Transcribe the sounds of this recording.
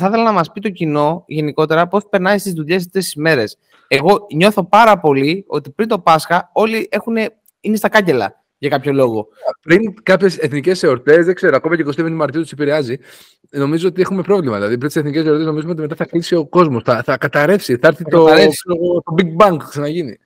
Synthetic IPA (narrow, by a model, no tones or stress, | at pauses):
θɐθe̞lɐnɐmɐspit̪o̞cino̞ʝe̞niko̞t̪e̞ɾɐpo̞spe̞ɾnɐist̪izðuʎe̞s̬e̥t̪e̞sizme̞ɾe̞s | e̞ɣo̞ɲo̞θo̞pɐɾɐpo̞lio̞t̪ipɾint̪o̞pɐsxɐo̞liʔe̞xune̞ | inest̪ɐkɐce̞lɐ̰ | ʝɐkɐpço̞lo̞ɣo̞pɾiŋkɐpçe̞seθnice̞se̞o̞ɾt̪e̞zðekse̞ɾoɐko̞mɐceko̞s̬t̪evenimɐɾt̪iot̪isepiɾeɐzi | no̞mizoot̪ie̞xume̞pɾo̞vlimɐðilɐðipɾint̪iseθnice̞seoɾt̪eznoizumeot̪ime̞t̪ɐθɐklisio̞ko̞zmo̞sθɐθɐkɐt̪ɐɾe̞fsiθɐɾθit̪oɐeot̪o̞biɡ̚bɐŋkksɐnɐʝinḭ